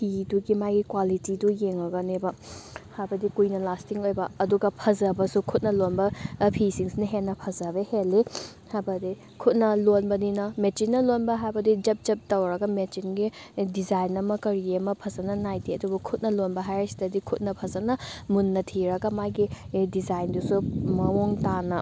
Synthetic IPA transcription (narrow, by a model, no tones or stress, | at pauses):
pʰiduɡimajɡikwalitidujeŋɐɡɐnebɐhajbɐdikujnɐlastiŋojbɐɐduɡɐpʰɐzɐbɐsukʰut̚nɐlonbɐpʰisiŋsinɐɦenːɐpʰɐzɐβeheli | hajbɐdi | kʰut̚nɐlonbɐninɐmet͡ʃinːɐlonbɐɦajbɐdid͡ʒɐp̚d͡ʒɐp̚tɐwɾɐɡɐmet͡ʃinɡidizajnɐmɐkɐɾiemɐpʰɐzɐnɐnajdiɐdubɐkʰut̚nɐlonbɐɦajɐsi̥dɐdikʰut̚nɐpʰɐzɐnɐmunːɐtʰiɾɐɡɐmajɡidizajndusumɐwoŋtanɐ